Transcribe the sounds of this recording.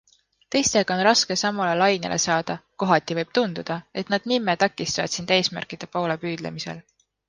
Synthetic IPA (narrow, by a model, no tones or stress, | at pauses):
t̪e̞jst̪e̞ɡ̥ɑo̞nrɑske̞sɑmolelɑjnḛlʔe̞̰sɑːd̪̥ɑko̞ɦɑt̪ʲːˑivɤjb̥̚t̪und̪̥ud̪̥ɑe̞t̪ˑnɑd̪̥nimːet̪ɑkːˑist̪ɑvɑ̰d̪̥sind̪̥e̞ːsmæ̰rkid̪̥e̞po̞ːle̞pyːd̪̥lḛmise̞̰l